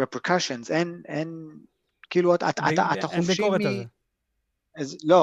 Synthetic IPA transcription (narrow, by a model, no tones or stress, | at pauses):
epkʰaʃõnzenen | kiːluata̰t̪a̰aʔat̪aχofʃimi | zlo